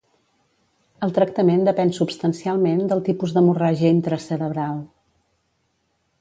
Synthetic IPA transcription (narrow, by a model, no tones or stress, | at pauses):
əlˠt̪ɾək̚t̪əmend̪əpɛnsupst̪ənsialˠmend̪əlˠt̪ipuzðəmuraʒəint̪ɾəsəɾəβɾalˠ